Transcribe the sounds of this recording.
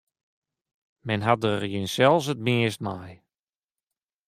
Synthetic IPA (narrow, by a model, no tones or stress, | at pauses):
mɛnɦat̚dərjɪnsɛlˠs̬ət̚miəst̚maj